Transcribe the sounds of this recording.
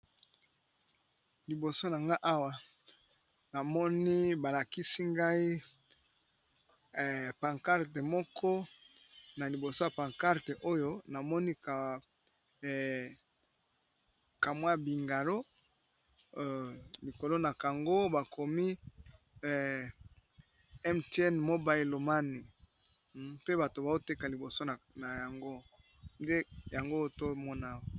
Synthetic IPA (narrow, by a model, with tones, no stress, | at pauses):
li˨bo˨so˦na˨ŋɡa˦ʔa˦wa˨ | na˨mɔ˦ni˦ba˨la˨ki˦si˦ŋɡa˦i˦˨ | pa˨ŋka˦ʁte˨mɔ˦kʰɔ˦ | na˨li˨bo˨so˦ja˨pã˨ŋka˦ʁte˨ʔo˦jo˦na˨mɔ˦ni˦ka˨ | ka˨mwa˦˨bi˨ŋɡa˨lo˦ | li˨ko˨lo˦na˨ka˨ŋɡo˦ba˨kʰo˨mi˦˨ | ɛ˦mte˦ɛ˦nmo˦ba˨e˨lo˨ma˦ni˨ | pe˦ba˨to˨ba˨o˦te˦ka˨li˨bo˨so˦˨ | na˨ja˨ŋɡo˦ | nde˦ja˨ŋɡo˦to˦mɔ˦na˦wo˨